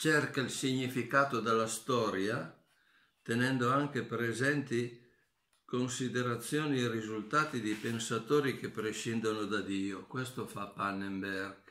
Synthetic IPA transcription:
t͡ʃɛrkailsiɲːifikaːt̪od̪alːast̪ɔːɾja | t̪enɛnd̪oaŋk̟epɾezɛnt̪i | konsid̪eɾat̪sːjoːnierizult̪aːt̪id̪ipensat̪oːɾik̟epːɾeʃind̪onod̪ad̪iːokwɛst̪ofapːanːembɛrɡ

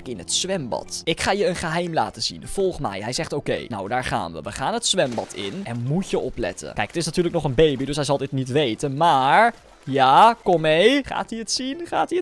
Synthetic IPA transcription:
kɪnɦətsʋɛmbɑ̰tɪkχaːjəənχəɦɛjmla̰ːtəz̥ḭnfɔlˠχmɛ̰jɦɛjzɛχtowkḛjna̰wdaːɹχa̰ːnʋə̰ʋəχaːnɦətsʋɛmbɑtʰɪ̰nɛnmutjəɔplɛ̰tə̰nkɛjkətɪsnatyːɹlək̚nɔχənbejbidɵsɦɛjzɑlˠdɪtnitʋejtənmaːɹ | jaːkɔmejχa̰ːtiətsinχa̰ːtiə

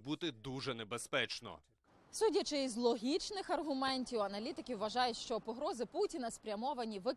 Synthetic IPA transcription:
but̪ɪd̪uʒɛnebespɛt͡ʃnɔ̰ | sudʲɐt͡ʃɪizlˠɔɦʲit͡ʃnɪxɐrɦʊmɛnʲtʲiwɐnɐlʲit̪ɪkʲiwʋɐʒɑjʊtʲʃt͡ʃɔpɔɦɾɔzɪputʲinɐspɾʲɐmɔʋɐnʲiʋɪ

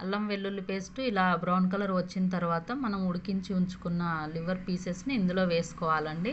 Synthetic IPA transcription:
ɐlːɐmʋe̞ɭːulupe̞ːsʈuilaːbɾawnkɐlɐɾʋɐt͡ʃːinɐt̪ɐɾuʋaːt̪ɐmɐnɐmuɽukiɲt͡ʃiuɲt͡ʃu̥kunːɐliʋɐɾpiːsesniːnd̪ulo̞ːʋe̞ːsu̥kɔːʋaːlɐɳɖi

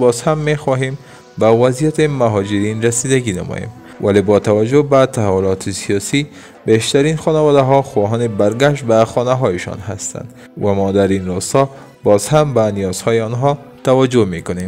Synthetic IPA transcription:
bɒzhamːexɒɦem | bavazijat̪emaɦɔd͡ʒɪɾinɾasid̪aɡina̰mɔ̰jḛm | valebɔt̪awad͡ʒobat̪ahawʊlɒt̪ʰesijɒsi | beʃt̪aɾinxɒnawɒd̪aɦɒxuwɒɦɔnebaɾɡaʃ̬t̪̚baxɒnaɦɒjɪʃɒ̰nɦast̪a̰nd̪ | vamɔd̪aɾinɾɔst̪ɒ | bɒzhambanijɒz̥hɒjeɒnɦɒ | t̪awad͡ʒomekʊnem

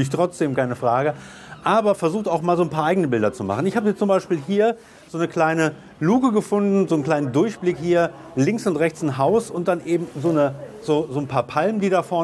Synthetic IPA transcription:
ɪçtʁ̥ɔt͡sd̥eːmkaɪnəfʁ̥aːɡə | ʔaːbɐfɛɐzuːxtaʊxmaːlzoːnpʰaːɐʔaɪɡŋnəbɪldɐt͡suma̰χn̩ɪçhaːbəɛt͡st͡sʊmbaɪʃpiːlɦiːɐ | z̥oːnəkl̥aɪnə | luːkəɡəfʊndn̩zoːn̩kl̥aɪnəndʊɐçb̥lɪkhiːɐ | lɪŋksʊntʁɛçt͡sɪnɦaʊsʊnt̚d̥anʔeːbm̩zoːnəzoːzoːnpʰaːɐpʰalməndiːdafɔɐ

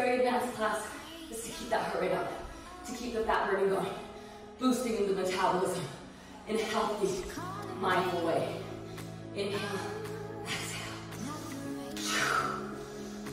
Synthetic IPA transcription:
ɛɹinæ̃ɪskʰl̥æs | ɨz̥tʰɨkʰip̚ðət̚hɜ˞iɾʌp̚ | tʰɨkʰip̚ðɨfæʔ̚ɹəɾɨ̃ɡoʊɪ̃ŋ | b̥ustɪ̃ŋɨ̃nðɨmɨtʰæbəl̩ˠɪzɨ̃m | ʔɨ̃nhɛlˠθimãɪ̃nl̩weɪ | ʔɨ̃nhɛlðæts

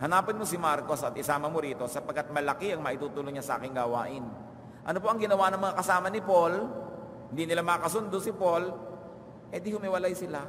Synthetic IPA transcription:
hɐnaːpɪnmosɪmaɾko̞sɐt̪̚ʔɪsaːmɐmoɾiːt̪o̞sɐpɐɡkːat̪̚mɐlɐkɪʔɐŋmɐʔɪt̪uːt̪uloŋɲɐsɐʔa̰ːkɪŋɡaːwa̰ːʔɪn | ʔɐno̞p̬o̞ʔɐŋɡɪnɐwanɐŋmɐŋakɐsaːmɐnɪpol | hɪnd̪inɪlamɐkɐsʊnd̪osɪpo̞l | pwɛːd̪ɪhʊmɪwɐlajsɪla

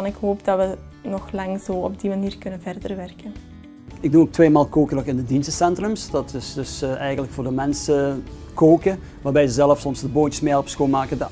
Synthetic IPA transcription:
ɑnɪkɦoːpdɑtʋə | nɔxlɑŋzoːɔb̚dimaniːrkɵnənvɛrdərʋɛrkən | ɪɡ̚duok̚tʋeːmaːlˠkoːkənɔxɪndədinsəsɛntrɵmsd̥ɑtɪsdɵsʔɛjɣəntləkfoːrdəmɛnsə | koːkə | ʋaːrbɛjzəzɛləfsɔmsdəboːntəsmeːɛlˠɔpsxoːlˠmaːkəd

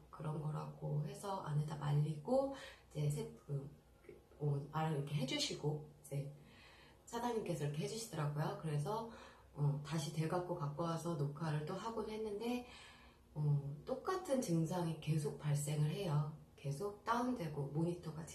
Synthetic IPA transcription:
kɯɾʌnɡʌɾa̰ɡoɦe̞sʰʌʔa̰netama̰ʎːiɡoid͡ʑe̞s̬ʰekɯ | oaɾɯɾʌkʰe̞ɦe̞d͡ʑuɕʰiɡoid͡ʑe̞ | sʰadaɲimk͈e̞sʰʌɾʌkʰeɦe̞d͡ʑuɕʰidʌɾaɡojokɯɾe̞sʰʌ | ʌtaɕʰite̞ɭɡak͈okak͈oasʰʌnokʰaɾɯɭt͈oɦaɡonɦe̞nːɯnde̞ | ʌt͈ok͈atʰɯnt͡ɕɯŋsʰaŋike̞sʰok̚p͈aɭs͈e̞ŋɯɭɦe̞jʌke̞sʰok̚t͈aundwe̞ɡomoɲitʰʌɡat͡ɕ

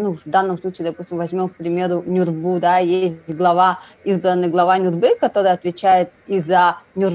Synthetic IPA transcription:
nuvd̪anːəmslˠut͡ɕiːd̪ɐpusʲtʲɪmvɐzʲmʲo̞mk̚pɾʲɪmʲe̞ɾʊnʲʊrbud̪ajes̬ʲtʲɡlˠɐva | izbɾənːɨjɡlˠɐvanʲʊrbɨkɐt̪o̞ɾɨjəɐt̪vʲɪt͡ɕæjɪt̪̚izːənʲʊr

